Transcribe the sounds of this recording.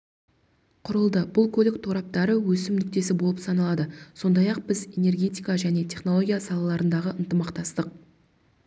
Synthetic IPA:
qʰʊɾəlˠd̪əbʊlˠkʰolɪk̚t̪ʰoɾɑp̚t̪ɑɾəwɵsɪmnʏk̚t̪e̞s̬ɪbo̞lˠəpsɑnɑlˠɑd̪əso̞nd̪ɑjɑq̚bɪze̞ne̞rɡʲe̞t̪ʲijkaʒæne̞t̪ʲʰe̞χno̞lˠo̞ɡʲijasɑlˠɑlˠɑɾənd̪ɑʁəʔənt̪əmɑqt̪ɑst̪əq̚

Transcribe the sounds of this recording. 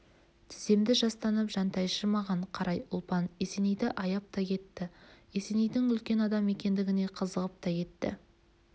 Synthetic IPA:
t̪ʰɪ̥ze̞md̪ɪʒɑst̪ɑnəpʒɑnt̪ʰɑjʃəmɑʁɑɴqʰɑɾɑjʊlˠpɑne̞se̞nejd̪ɪʔɑjɑp̚t̪ɑkʲʰe̞t̪ːɪ | e̞se̞nejd̪ɪŋʏlkʲe̞nɑd̪ɑme̞kʲe̞nd̪ɪɡʲɪne̞qʰəzəʁəp̚t̪ɑke̞t̪ːɪ̰

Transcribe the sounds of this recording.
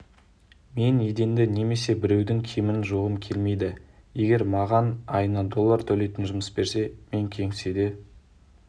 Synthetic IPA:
me̞ned̪e̞nd̪ɪne̞me̞se̞bɪɾe̞wd̪ɪŋkʲʰemɪnʒoʁəmkʲʰe̞lme̞jd̪ɪ | je̞ɡʲe̞ɾmɑʁɑnɑjənɑd̪o̞lˠːaɾt̪ʰɵle̞jt̪ɪnʒʊməsbe̞ɾse̞me̞ŋkʲʰe̞ŋsed̪e̞

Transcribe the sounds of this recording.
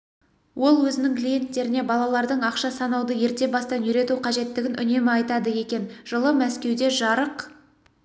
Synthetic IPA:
wʔo̞lˠwɵzɪnɪŋklije̞nt̪ːe̞ɾɪne̞bɑlˠɑlˠɑɾd̪əɴɑqʃɑsɑnɑwd̪əje̞ɾt̪e̞bɑst̪ɑnʏɾe̞t̪uqʰɑʒe̞t̪ːɪɡʲɪnʔʏ̰ne̞mɪɑjt̪ɑd̪əje̞kʲe̞nʒ̥əlˠəmæskʲe̞wd̪e̞ʒɑɾəq

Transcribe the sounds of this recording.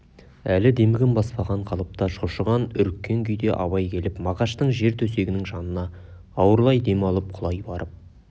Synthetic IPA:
ælɪd̪e̞mɪɡʲɪnbɑspɑʁɑɴqʰɑlˠəp̚t̪ɑʃoʃəʁɑnʏɾkʲːe̞ŋkʲʰʏjd̪e̞ʔɑ̰βɑjkʲʰe̞lɪpmɑʁɑʃt̪əɴʒe̞ɾt̪ʰɵse̞ɡʲɪnɪŋʒɑnənɑː | wəɾlˠɑjd̪e̞mɑlˠəp̚qʰʊlˠɑjbɑɾʔəp̚

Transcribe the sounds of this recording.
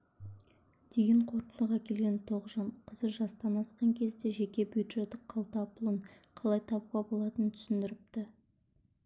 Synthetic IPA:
d̪̥e̞ɡʲe̞ɴqʰo̞ɾt̪ənd̪əʁɑkʲʰe̞lɡʲe̞nt̪ʰo̞ʁəʒɑnqʰəzəʒɑst̪ɑnɑsqɑŋkʲʰe̞zd̪e̞ʒe̞kʲe̞bjud̪ʒe̞t̪ːɪqʰɑlˠt̪ɑpʊlˠəɴ | qʰɑlˠɑjt̪ʰɑbuʁɑbo̞lˠɑt̪ənt̪ʰʏ̥sɪnd̪ɪɾɪp̚t̪ɪ

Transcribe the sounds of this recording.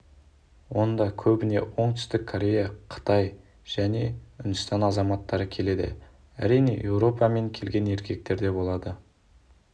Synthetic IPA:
wo̞nd̪ɑkʲʰɵbɪne̞̰wo̞ɴt̪ʰʏ̥st̪ɪkʰːoɾʲe̞jɑqʰə̥t̪ɑj | ʒ̥æne̞ʏnd̪ɪst̪ɑnɑzɑmɑt̪ːɑɾəkʲʰe̞le̞d̪ɪ̰ | æ̰ɾijne̞̰je̞wɾo̞pɑme̞ŋkʲʰe̞lɡʲe̞ne̞ɾkʲe̞k̚t̪e̞ɾd̪e̞bo̞lˠɑd̪ə

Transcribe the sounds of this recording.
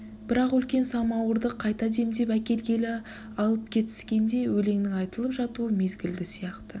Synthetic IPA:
b̥ɪɾɑqʏlkʲe̞nsɑmɑwəɾd̪əqʰːɑjt̪ɑd̪e̞md̪e̞pækʲe̞lɡʲe̞lɪ | ɑlˠəp̚kʲʰe̞t̪ɪ̥skʲe̞nd̪e̞wɵle̞ŋnɪŋɑjt̪əlˠəpʒɑt̪uəme̞zɡʲɪld̪ɪsijɑqt̪ə

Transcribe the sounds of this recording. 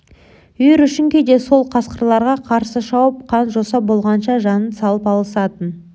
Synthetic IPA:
ʏjeɾʏʃɪŋkʲed̪e̞so̞lˠqʰɑsqəɾlˠɑɾʁɑqʰɑɾsəʃɑwəp̚qʰɑnʒosɑbo̞lˠʁɑnʃɑʒɑnənsɑlˠəpɑlˠəsɑt̪ən

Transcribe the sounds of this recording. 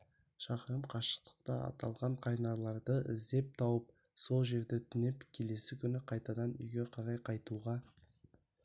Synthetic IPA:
ʃɑqəɾəmqʰɑʃə̥q̚t̪ə̥q̚t̪ɑɑ̰t̪ɑlˠʁɑɴqʰɑjnɑɾlˠɑɾd̪əɪzd̪e̞p̚t̪ʰɑwəp̚ | so̞lˠʒe̞ɾd̪e̞t̪ʰʏnepkʲʰe̞le̞sɪkʲʰʏnɪqʰɑjt̪ɑd̪ɑnʏ̰jɡʲe̞qʰɑɾɑjqʰɑjt̪uʁɑ

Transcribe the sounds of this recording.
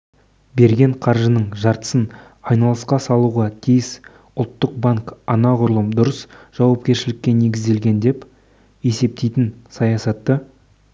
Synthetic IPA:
be̞ɾɡʲe̞ɴqʰɑɾʒənəɴʒɑɾt̪ə̥sən | ɑjnɑlˠəsqɑsɑlˠuʁɑt̪ʰijɪs | ʊlˠt̪ːəq̚baŋkɑnɑʁʊɾlˠəmd̪ʊɾəsʒ̥ɑwɑp̚kʲe̞ɾʃɪlɪkʲːene̞ɡʲɪzd̪e̞lɡʲe̞nd̪e̞p | e̞se̞p̚t̪e̞jt̪ɪnsɑjɑsɑt̪ːə

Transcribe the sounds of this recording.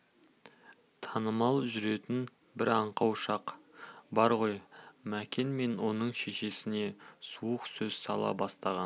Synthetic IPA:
t̪ʰɑnəmɑlˠʒʏɾe̞t̪ɪn | bɪɾɑɴqɑwʃɑqbɑɾʁo̞jmækʲe̞nme̞nwo̞nəɴʃe̞ʃe̞sɪne̞suəqsɵzsɑ̰lˠɑ̰bɑst̪ɑʁɑn

